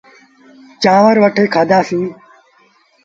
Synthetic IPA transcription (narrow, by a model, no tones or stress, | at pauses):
t͡ʃãːʋəɾʋəʈʰeːkʰaːd̪aːsĩː